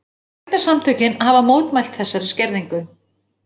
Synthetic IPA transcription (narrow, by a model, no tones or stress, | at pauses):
ajt̪asamt̪ʰœɥcɪnhavamoːwt̪majl̥t̪θɛsːaɾɪscɛɾðiŋkʏ